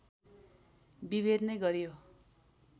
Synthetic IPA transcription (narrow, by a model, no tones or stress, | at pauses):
biβed̪nʌjɡʌɾijo